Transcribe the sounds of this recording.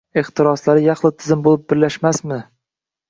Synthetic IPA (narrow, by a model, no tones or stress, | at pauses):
eχt̪ɪɾɒslaɾɪjɑχlˠɪt̪ʰɪzɪmbolˠɪp̚bɪɾlaʃmasmɪ